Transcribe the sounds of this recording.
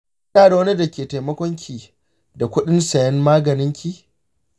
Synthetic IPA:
aː˦˨da˨wɐ˦ni˦dɐ˨kʲeː˨ta˨mɐ˦kʷɔ˦ŋkʲʰiː˨ | da˨kʷʊ˦ɗɪ˦nsɐ˨jɐ˦mmaː˦ɡɐ˨nɪ˦ŋkʲiː˦

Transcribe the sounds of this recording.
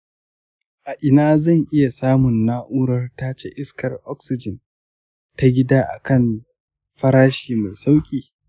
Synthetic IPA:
ʔa˨ʔɪ˨naː˦zɐ˦˨ŋʔɪ˦ja˨saː˦mʊ˨nːaː˦ʔʊː˦ɽɐ˦rta˦t͡ʃe˦ʔɪ˦skɐ˨rʔɔ˦ksɪ˨d͡ʒɪ˨n | ta˦ɡʲɪ˦daː˦ʔa̰˨kɐ˦˨n | ɸɐ˦ɾaː˦ʃiː˨ma˨jsa˦wkʲʼiː˨

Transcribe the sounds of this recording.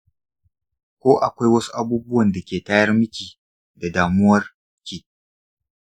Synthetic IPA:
kʷoː˦ʔa˨kʷa˦jwɐ˦su̥˦ʔa˦buː˦bʊ˦wɐ˨nda˨kʲeː˨taː˦jɐ˦rmɪ˦kʲiː˨ | da˨daː˨mʊ˦wɐ˦r | kʲiː˦˨ʔ

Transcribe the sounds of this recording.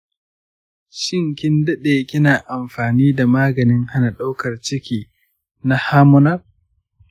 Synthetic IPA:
ʃɪ˦ŋkʲɪ˦ndɐ˦ɗeː˨kʲɪ˦naː˨ʔa˨mɸaː˨niː˦da˨maː˦ɡɐ˨nɪ˦ŋha˦na˨ɗa˦wkɐ˨rt͡ʃɪ˦kʲiː˨ | na˦haː˦mʊ˦nɐ˦r

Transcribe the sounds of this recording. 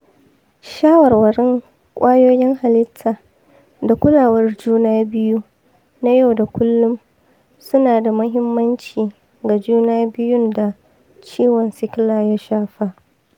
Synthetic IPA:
ʃaː˦wɐ˨rwɐ˨ɽɪ˦ŋ | kʷʼaː˦joː˦jɪ˦ŋha˨lɪ˦tʰːa˨ | da˨kʷʊ˦laː˨wɐ˦rd͡ʒuː˦naː˦bɪ˦ju˦ | na˦ja˦wda˨kʷʰʊ˦lːʊ˦m | sʊ˦naː˨da˨mʊ˦ɦɪ˦mːɐ˦nt͡ʃiː˨ | ɡa˨d͡ʒuː˦naː˦bɪ˦jʊ˦nda˨ | t͡ʃiː˦wɔ˨nsɪ˦klaː˨ja˦ʃaː˦ɸa˦ʔ

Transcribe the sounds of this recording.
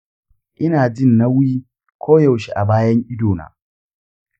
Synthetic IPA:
ʔɪ˦naː˨d͡ʒɪ˦nːa˦wiː˦ | kʷʰoː˦jɐ˨wʃi˨ʔa̰˨baː˦jɐ˦ŋʔɪ˦doː˨na̰ː˨

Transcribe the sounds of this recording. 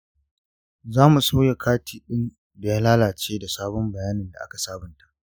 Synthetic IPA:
zaː˦mu˨sa˦ja˨kʰaː˦tiː˨ɗɪ˦n | bɪ˨ja˦laː˦laː˨t͡ʃeː˦da˨saː˦bɔ˦mbɐ˨jaː˦nɪ˨nda̰˨ʔa̰˦ka˨saː˦bɪ˨nta˨ʔ

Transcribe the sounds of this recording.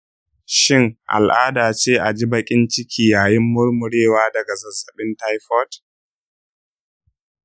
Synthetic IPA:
ʃɪ˦˨ŋʔa̰˨lʔaː˦daː˨t͡ʃeː˦ʔa˨d͡ʒiː˦bɐ˦kʲʼɪ˦nt͡ʃɪ˦kʲʰiː˦jaː˨jɪ˦mːʊ˦rmʊ˨ɽeː˦waː˦dɐ˨ɡa˨zɐ˨zːɐ˨ɓɪ˦nta˦jɸɔ˦t

